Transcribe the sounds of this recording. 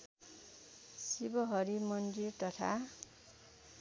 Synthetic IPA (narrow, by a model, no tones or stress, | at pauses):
sibʌɦʌɾimʌndirt̪ʌt̪ʰa̰